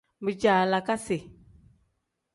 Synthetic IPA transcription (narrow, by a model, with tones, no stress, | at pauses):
mbɨ˨d͡ʒaː˨la˨ka˦se˨